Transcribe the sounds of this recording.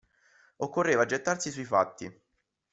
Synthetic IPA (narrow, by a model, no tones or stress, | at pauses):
okːorːeːvad͡ʒet̪ːarsisuifa̰t̪ːi